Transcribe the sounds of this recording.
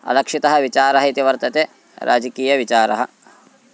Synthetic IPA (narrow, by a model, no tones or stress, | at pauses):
ɐ̰lɐkʂit̪ɐɦɐʋit͡ʃaːɾɐɦɐit̪iʋɐɾt̪ɐt̪eː | ɾa̰ːd͡ʒɐkiːjɐʋit͡ʃaːɾɐɦɐ̆